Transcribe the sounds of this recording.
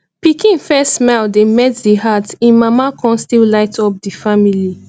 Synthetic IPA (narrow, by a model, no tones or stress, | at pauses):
pikĩnfɛsmaldemɛtdiɦatĩnmamakʰɔ̃nstillaɪtʰɔp̚difamili